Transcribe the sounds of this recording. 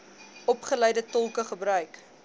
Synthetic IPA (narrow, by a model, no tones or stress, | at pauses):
ɔpχəlɛjdətɔlˠkəχəbɾœɥk